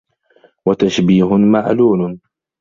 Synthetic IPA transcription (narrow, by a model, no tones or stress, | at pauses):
wat̪aʃbiːɦʊmaʕluːl